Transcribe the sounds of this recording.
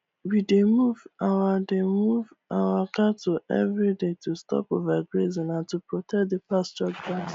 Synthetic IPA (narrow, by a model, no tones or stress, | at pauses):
widemuvawademuv | awakatʰuɛ̰vɾidetustɔ̰povaɡɾezĩnãntupɹotʰɛk̚depast͡ʃɔd͡ʒba